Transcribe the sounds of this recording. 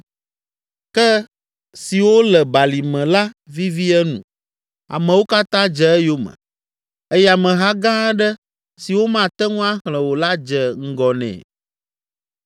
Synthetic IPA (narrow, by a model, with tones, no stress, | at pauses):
kɛ˦ | si˨wo˦lɛ˨ba˨li˨mɛ̃˨la˦vi˦vi˦ɛ˦nṵ̃˨ | a̰˨mɛ̃˨wo˦ka˦t̪ã˦d͡ʒɛ˨ɛ˦jo˦mə̰̃˨ | ɛ˦ja˨mɛ̃˨ɦa˦ɡã˦ɖɛ˦ | si˨wo˦mã˦˨t̪ɛ˦ŋũ˦a˦xlɛ̃˨wo˨la˦d͡ʒɛ˨ŋ̩˦ɡɔ˨nɛ̰̃˨